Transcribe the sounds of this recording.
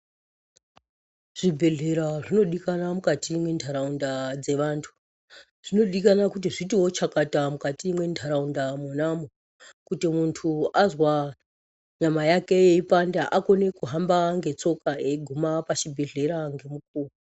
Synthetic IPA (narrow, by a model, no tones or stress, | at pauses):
ʐ̥ibʱe̞ɮe̞ɾaʐino̞ɗikanamukatimwe̞ntʰaɾaundad͡ze̞ʋaːntʰu̥ | ʐ̥ino̞ɗikanakut̬iʐitiwo̞t͡ʃakatamukatimwe̞ntʰaɾaundamonamo | kutimuntʰuazwa | ɲamajake̞jeipandaʔako̞ne̞kuɦambaŋɡe̞t͡so̞kaeɡʱumapat͡ʃibʱe̞ɮe̞ɾaŋɡe̞muk̚uːru